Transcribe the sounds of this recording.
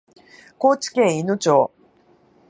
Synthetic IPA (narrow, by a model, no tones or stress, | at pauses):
ko̞ːt͡ɕi̥kẽɰ̃inot͡ɕoː